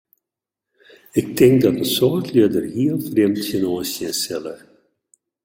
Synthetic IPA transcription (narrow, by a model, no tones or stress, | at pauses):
ɪk̚tɪŋk̚dɑtənsoːtʰliədərɦiəlˠfremtçənoːsjəsɛlə